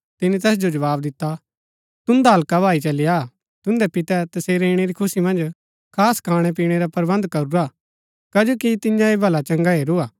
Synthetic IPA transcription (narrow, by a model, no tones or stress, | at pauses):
t̪ɪnĩt̪ɛːs̬d͡ʒod͡ʒɐʋaːbd̪ɪt̪ːa | t̪ʊ̃nd̪aːlkabʱaːit͡ʃɐlɪja | t̪ʊ̃nd̪ɛpɪt̪ɛt̪ɐseːɾeːɽ̃eɾikʰʊsimɐ̃nd͡ʒ | kʰaːskʰaːɽ̃ɛp̬iːɽ̃eɾapɐɾbɐ̃nd̪kɐɾuɾa | kad͡ʒoːkit̪ɪjãebʱɐlat͡ʃɐ̃ŋɡaɦeːɾuaː